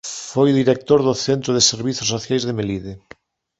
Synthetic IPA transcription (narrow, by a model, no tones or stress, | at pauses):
fojðiɾek̚t̪oɾðʊθent̪ɾʊðeseɾβiθosːoθjajzðemeliðɪ